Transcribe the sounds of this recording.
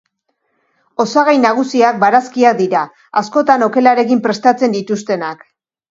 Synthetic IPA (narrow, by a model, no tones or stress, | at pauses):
o̞saɣajnaɣ̞usiak̚baɾaskiak̚d̪iɾa | asko̞t̪ano̞ke̞laɾe̞kimpɾe̞st̪at͡se̞nd̪it̪ust̪e̞nak